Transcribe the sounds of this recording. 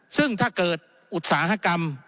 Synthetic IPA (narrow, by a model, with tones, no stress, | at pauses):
sɯ˥˩ŋt̪ʰaː˥˩kɤː˨˩t̪̚ | ʔu˨˩t̪̚saː˩˦ɦa˧˥˩ka˧m